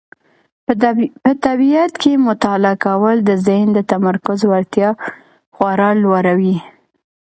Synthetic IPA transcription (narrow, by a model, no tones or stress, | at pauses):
pət̪abijat̪kʰemʊt̪ɑlakawəld̪əzɪhnd̪ət̪amaɾkʊzwaɾt̪jɑ | xwaɾɑlwaɾawi